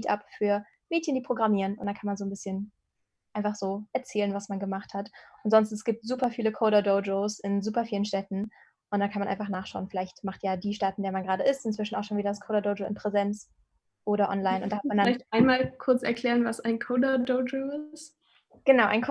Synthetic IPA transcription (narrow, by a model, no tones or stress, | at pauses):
tʔa̰pfyːɐ | meːtçəndiːpʁ̥oɡʁamiːʁənʊ̰ntd̥ankʰanmanzoːnbɪsçən | aɪnfaχz̥oːʔɛɐt͡sɛːlənvasmanɡəmaχthatʔʊntz̥ɔnstn̩ɛsɡ̥iːp̚tz̥uːpɐfiːləkʰoːɾadod͡ʒoːsɪnzuːpɐfiːlənʃtɛtn̩ | ʔʊntd̥ankʰanmanʔaɪnfaχnaːχʃaʊənfɪlaɪçtmaχtjaːdiːʃtaːtɪndeːɐmanɡəʁaːɾəɪstɪnt͡sv̥ɪʃn̩aʊxʃoːnviːdɐdaskʰoːɾadod͡ʒoɪ̰npʁ̥ɛzɛnt͡s | ʔoːɾɐʔɔ̰nlaɪnʔʊntdahatmandalaɪçtʔaɪnmaːlkʰʊɐt͡sɛ̰ɐkʰl̥ɛːʁənvasaɪnkʰoːdɐdod͡ʒoːɪst | ɡ̥ənaʊʔaɪnkʰ